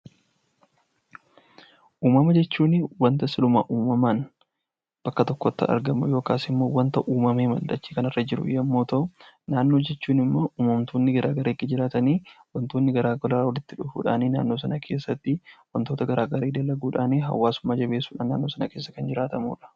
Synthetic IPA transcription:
ʔuːmɐmɐd͡ʒɛt͡ʃːuːnɪwɐnt̪ɐsɪlʊma̰ʔuːmɐmaːn | b̥ɐkːɐt̪ɔkːɔt̪ːɐ̰ʔɐ̰ɾɡɐmʊjo̞ːkaːsɪmːo̞ːwɐnt̪ɐʔuːmɐmeːmɐ̰ld̪ɐt͡ʃːiːkɐnɐrːɐd͡ʒɪɾʊ̰jɐmːo̞ːt̪ɐʔʊnaːnːo̞ːd͡ʒɛt͡ʃːuːnɪmːo̞ːʔuːmɐmt̪oːnːɪɡɐɾʔaːɡɐɾeːkːɪd͡ʒɪɾaːt̪ɐniːwɐnt̪o̞ːnːɪɡɐɾaːɡɔlɐɾawɔlɪt̪ːɪᶑʊfṵːᶑa̰ːniːna̰ːnːo̞ːs̬ɐnɐkʰe̞ːsːɐt̪ːɪwɐnt̪o̞ːt̪ɐɡɐɾaːɡɐɾeːd̪ɐlːɐɡuːᶑaːniːɦɐ̰wːaːsʊmaːd͡ʒɐbe̞ːsːuːᶑa̰ːnːaːnːo̞ːsɐnɐke̞ːsːɐkɐnd͡ʒɪɾaːt̪ɐmṵːᶑɐ̥

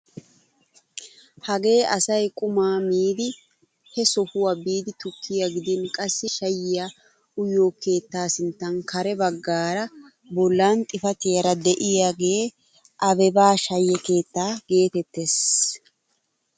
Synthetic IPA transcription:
hɐɡe̞ːʔɐsɐjkʼʊmaːmiːd̪ɪ | hɛsɔhʊwabiːd̪ɪt̪ʊkʰːɪjaɡɪd̪ɪnkʼɐsːɪʃɐjːɪja | ʊjːoːke̞ːt̪ːaːsɪnt̪ːɐnkʰɐɾɛbɐɡːaːɾɐ | bɔlːaːnt̪ʼɪfɐt̪ɪjɐɾɐd̪ɛʔɪjaːɡeː | ʔɐbɛbaːʃɐjːɛke̞ːt̪ːaːɡ̥e̞ːt̪ɛt̪ːeːs

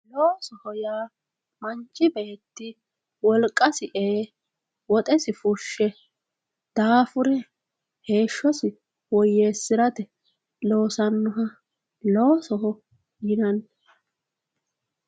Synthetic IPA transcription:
loːsɔhɔjaː | mɐnt͡ʃʼːɪbe̞ːt̪ːɪ | wɔlkʼːɐsɪʔeː | wɔt̪ʼɛsɪfʊʃːɛ | d̪̥aːfʊɾɛ | he̞ːʃːɔsɪ | wɔje̞ːsːɪɾɐt̪ɛ | lo̞ːsɐnːʊɦɐ | loːsɔhɔ | ɪnɐn

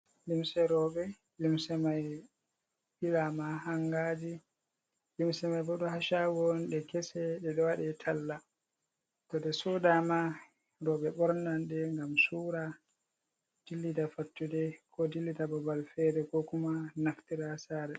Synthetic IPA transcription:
limsɛɾɔɓɛ | limsɛmaj | ɓilamahaŋɡad͡ʒi | limsɛmajbɔɗɔhaʃawɔnɗɛkɛsɛɗɛɗɔwaɗɛtʰalːa | tɔɗɛsudama | ɾɔɓɛɓɔɾnanɗɛŋɡamsuːɾa | d̥ilːidafatːudɛkʰɔdilːidabɔbalfɛɾɛkɔkumanaftiɾasaːɾɛ

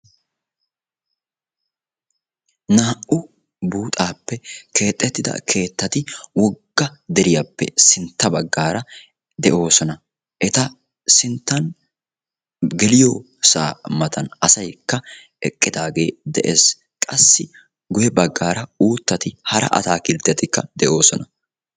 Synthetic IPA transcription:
naːʔʊ | buːt̪ʼaːpːɛkʰe̞ːt̪ʼːɛt̪ːɪd̪ɐ̰kʰe̞ːt̪ːɐt̪ɪwɔɡːɐd̪ɛɾɪjapːɛ̰sɪnt̪ːɐbɐɡːaːɾɐ | d̪ɛʔo̞ːsɔnɐ | ʔɛt̪ɐ | sɪnt̪ːɐn | ɡɛlɪjoː | sa̰ːmɐt̪ʰɐnɐsɐjkːɐ | ɛkʼːɪd̪aːɡe̞ːd̪ɛʔḛːs | kʼɐsːɪ | ɡʊjɛbɐɡːaːɾɐuːt̪ːɐt̪ɪhɐɾɐ̰ʔɐ̰t̪aːkɪlt̪ːɛt̪ɪkːɐ̰d̪ɛʔo̞ːsɔnɐ

